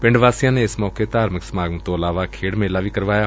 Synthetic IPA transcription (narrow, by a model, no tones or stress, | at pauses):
pɪ̃ɳɖʋaːsijãːneːɪsmɔːket̪aːɾməksmaːɡnət̪õːəlaːʋaːkʰeːɽmeːlaːʋiːkəɾʋaːjaː